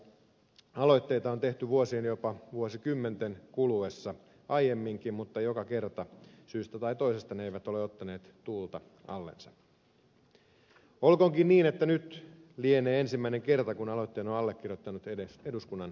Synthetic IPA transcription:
ɑlo̞jt̪ːe̞jt̪ɑont̪e̞ht̪yʋuosienjopɑʋuosikymːent̪enkuluesːɑ | ʔɑjjemːiŋkimmut̪ːɑjokɑke̞rt̪ɑsyːst̪æt̪ɑit̪o̞ijsest̪ɑneeiʋæt̪o̞leot̪ːɑne̞ːt̪t̪uːlt̪ɑ | ɑ̰lːḛnsɑ | olkoŋkinniːnet̪ːænyt̪lieneːensimːæineŋke̞rt̪ɑkunɑlojt̪ːeːnoɑlːek̟ːirjot̪ːɑnut̪eeseduskunːɑn

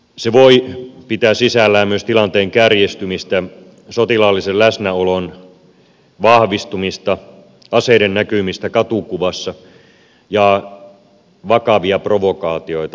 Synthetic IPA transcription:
seʋoipit̪æːsisælːæːmmyøst̪ilɑnt̪eːŋkærjest̪ymist̪æ | sot̪ilɑlːisellæsnæolon | ʋɑhʋist̪umist̪ɑ | ɑseiɾennækymist̪ækɑt̪ukuʋɑsːɑ | jɑ | ʋɑkɑʋiɑproʋokɑːt̪io̞ijt̪ɑ

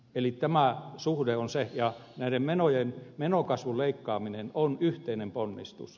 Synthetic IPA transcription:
elit̪æmæˑsuhdeonsejɑnæˑiɾemmenojenmenokɑsʋuleikːɑːminenonyht̪einemponːḭst̪ṵs

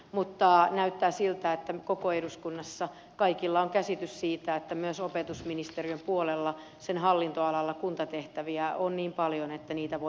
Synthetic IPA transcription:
mut̪ːɑnæyt̪ːæːsilt̪æet̪ːækokoeduskunːɑsːɑ | kɑikilːɑoŋkæsit̪yssiːt̪æet̪ːæmyøsopet̪usminist̪eriømpuolelːɑ | senɦɑlːint̪oɑlɑlːɑkunt̪ɑt̪eht̪æʋiæonniːmpɑljonet̪ːæniːt̪æʋo

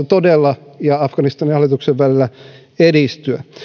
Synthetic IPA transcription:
t̪odelːɑjɑɑfɡ̥ɑnist̪ɑnihɑlːˑit̪ukseʋʋælilːˑæ | edist̪yæ

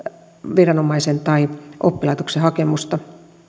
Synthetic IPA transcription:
ʋirɑnomɑisent̪ɑiʔo̰pːilɑˑit̪oksehɑkemust̪ɑ

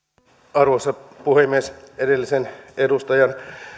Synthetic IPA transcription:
ɑrʋosːɑpuhemːiesedelːisenedust̪ɑjɑn

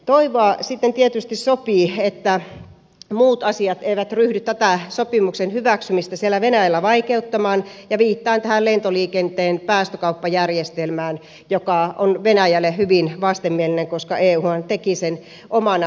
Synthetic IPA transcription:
t̪oiʋoɑˑsit̪ːent̪iet̪yst̪issopiːet̪ːæ | muːt̪ɑsiɑt̪eiʋæt̪ryhdyt̪tæt̪æsopimuksenhyʋæksymist̪æsielːˑæʋenæjælːæʋɑikeut̪ːɑmɑːnjɑʋiːt̪ːɑːnt̪æhællent̪oliːkent̪eːnpæːst̪økɑupːɑjærjest̪elmæːn | jokɑonʋenæjælːˑehyʋinʋɑst̪emːielineŋkoskɑʔeːuːhɑnt̪ekisen | ʔomɑn

